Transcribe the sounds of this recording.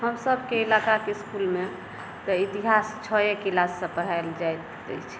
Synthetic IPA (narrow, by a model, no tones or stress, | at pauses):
ɦəmsəbʱkeilakakeskulme | t̪əit̪iɦast͡ʃʰɔjekːlasːə̃pəɽ̤ajld͡ʒajt̪ | d̪ə̰t͡ʃʰ